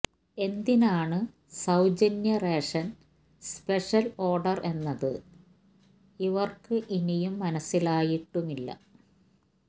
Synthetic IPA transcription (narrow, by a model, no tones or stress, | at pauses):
e̞nd̪inaːɳɨ | sɐwd͡ʑɐnjɐreːʂɐn | speʂɐlo̞ːrɖɐrʔe̞nːɐðɨ̰ | iʋɐrkɨʔinijumːɐnɐsːilaːjiʈːumilːɐ̰